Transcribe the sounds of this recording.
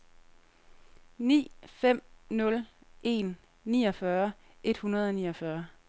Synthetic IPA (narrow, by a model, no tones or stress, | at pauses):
nḭːfem̰nɔ̽lʔe̝̰ːnː | ḭːɒ̽fɶɐ | ʔe̝d̥hunɐð̞̩ˠɒ̽nḭːɒfɶɐ